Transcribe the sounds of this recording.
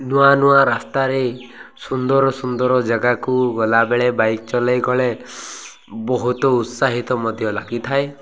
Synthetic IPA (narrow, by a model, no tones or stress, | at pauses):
nuanuaɾast̪aɾesund̪ɔɾɔsund̪ɔɾɔd͡ʒaɡakuɡɔlabeɭebajkt͡ʃɔlajɡɔɭe | bɔɦut̪ɔut̪saɦit̪ɔmɔd̪ʱjɔlaɡit̪ʰae